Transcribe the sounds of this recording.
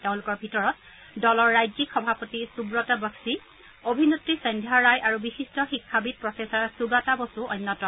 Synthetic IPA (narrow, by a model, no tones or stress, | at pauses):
teʊ̃lʊkɔɹbʱitɔɹɔt | dɔlɔɹːajzikxɔbʱapotisubɹɔtabɔksi | obʱinutɹisɔndʱjaɹajʔaɹubixistɔxikʰːabit̚pɹɔfesaɹsuɡatabosuɔjnːɔtɔ